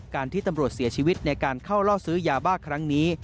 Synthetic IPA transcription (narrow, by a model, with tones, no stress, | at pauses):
kaː˧nt̪ʰiː˥˩t̪a˧mɾu˨˩ət̪̚si˩˦t͡ɕʰiː˧wi˦˥t̪̚na˧jkaː˧nkʰa˥˩wlɔː˥˩sɯː˦˥jaː˧baː˥˩kʰɾa˦˥ŋniː˦˥